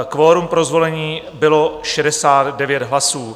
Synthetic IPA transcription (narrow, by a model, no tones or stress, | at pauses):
kvoːɾumpɾo̞zvo̞lɛɲiː | bɪlo̞ʃɛdɛsaːd̪dɛvjɛt̪ɦlasuː